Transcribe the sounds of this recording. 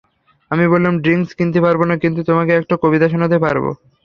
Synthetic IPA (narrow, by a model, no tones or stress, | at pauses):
amibollamɖɾiŋskint̪epaɾbonakint̪ut̪omakeɛk̚ʈakobit̪aʃ̬onad̪epaɾbo̰